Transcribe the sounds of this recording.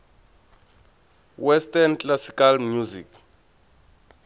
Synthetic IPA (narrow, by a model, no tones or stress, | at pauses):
wɛstɛnt͡ɬlasi̥kalmjuzḭk